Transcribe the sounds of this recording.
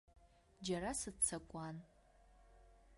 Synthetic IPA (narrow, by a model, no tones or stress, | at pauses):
d͡ʒaɾasɨt͡sʰakʷʼan